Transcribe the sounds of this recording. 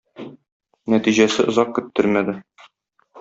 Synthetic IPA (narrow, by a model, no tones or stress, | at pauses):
næt̪iʑæsɘʔŏzɑq̚kɵ̆t̪ːɘɾmæd̪ɘ